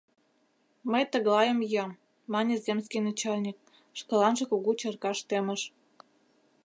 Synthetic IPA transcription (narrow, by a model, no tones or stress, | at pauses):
məjt̪ə̆ɣlɑjə̆mjɑmː | ɑnʲĕzʲemskʲijnɑt͡ɕɑlʲnʲik̚ | ʃkɤ̆lɑnʒə̆kuɣut͡ɕɤrkɑʃt̪emə̆ʃ